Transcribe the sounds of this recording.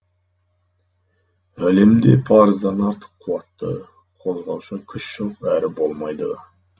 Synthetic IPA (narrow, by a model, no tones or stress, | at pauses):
æle̞md̪e̞̰pʰɑɾəzd̪ɑnɑɾt̪ʰə̥qʰːuwɑt̪ːə̰ | qʰo̞zʁɑwʃɑkʲʰʏʃʒ̥oqæɾɪbo̞lˠmɑjd̪ə